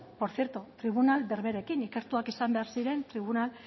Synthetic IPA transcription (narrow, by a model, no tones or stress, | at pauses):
po̞ɾθjeɾt̪ut̪ɾiβ̞unalbe̞ɾβe̞ɾekinike̞ɾt̪uakisambe̞aɾsiɾe̞nt̪ɾiβ̞unal